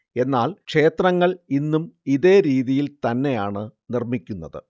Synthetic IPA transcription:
e̞nːaːlkʂe̞ːt̪rɐŋːɐɭinːumiðe̞ːɾiːðijilt̪ɐnːe̞jaːɳɨnirmikʲːunːɐðɨ̰

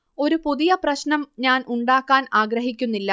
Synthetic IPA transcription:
o̞ɾupuðijɐprɐɕnɐmɲaːnuɳɖaːkːaːnaːɡɾɐɦikʲːunːilːɐ

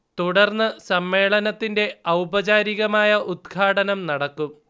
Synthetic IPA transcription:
t̪uɽɐrnːɨsɐmːe̞ːɭɐnɐt̪ːinde̞ɐwbɐd͡ʑaːɾiɣɐmaːjɐʔud̪ɡʰʱaːʈɐnɐmnɐɽɐkːum

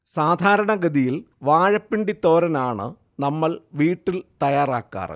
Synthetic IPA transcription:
saːd̪ʱaːɾɐɳɐɡɐd̪ijil | ʋaːɻɐpːiɳɖit̪ːoːɾɐnaːɳɨ̰ | nɐmːɐɭʋiːʈːilt̪ɐjaːraːkːa̰ːrɐ̰

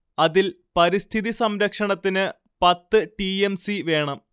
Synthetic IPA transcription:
ɐðil | pɐɾist̪ʰiðisɐmɾɐkʂɐɳɐt̪ːinɨ | pɐt̪ːɨʈiemsiʋe̞ːɳɐm

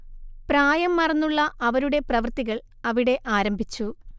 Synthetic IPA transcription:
praːjɐmːɐrɐnːuɭːɐʔɐʋɐɾuɽe̞prɐʋɐrt̪iɣɐɭ | ɐʋiɽe̞ʔaːɾɐmbʱit͡ɕːu

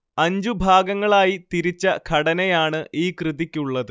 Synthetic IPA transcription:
ɐɲd͡ʑubʱaːɡɐŋːɐɭaːjit̪iɾit͡ɕːɐkʰɐɽɐnɐjaːɳɨʔiːkrɨðikʲːuɭːɐðɨ

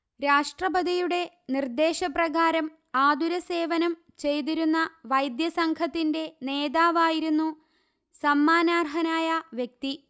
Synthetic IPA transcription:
ɾaːʂʈrɐbɐd̪ijuɽe̞ | nird̪e̞ːɕɐprɐɣaːɾɐm | aːd̪uɾɐse̞ːʋɐnɐm | t͡ɕe̞jt̪̬iɾunːɐʋɐjd̪jɐsɐŋkʰɐt̪ːinde̞ne̞ːd̪aːʋaːjiɾunːu | sɐmːaːnaːrɦɐnaːjɐʋjek̚t̪i

